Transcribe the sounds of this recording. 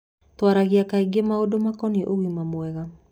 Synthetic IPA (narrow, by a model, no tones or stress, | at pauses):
twaɾaɣiakaiɡemaodomakɔniʔoɣimamwɛɣa